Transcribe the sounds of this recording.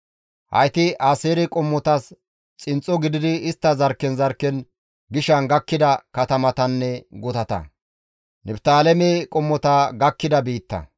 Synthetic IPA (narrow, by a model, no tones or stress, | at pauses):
hɐ̰jt̪ɪʔaːseːɾɛkʼɔmːɔt̪ɐs | t͡sʼɪnt͡sʼːɔɡɪd̪ɪd̪ɪːst̪ːɐzɐɾkːɛnzɐɾkːɛn | ɡɪʃɐnɡɐkːɪd̪ɐkɐt̪ɐmɐt̪ɐnːɛɡɔt̪ɐt̪ɐ̰ | nʔɛbt̪aːlɛmekʼɔmːɔt̪aɡɐkːɪd̪ɐbiːt̪ːɐ̰